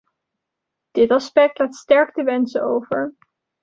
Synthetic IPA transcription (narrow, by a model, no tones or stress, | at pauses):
d̥ɪtɑspɛk̚tlaːtstɛɹktəʋɛnsəowvəɹ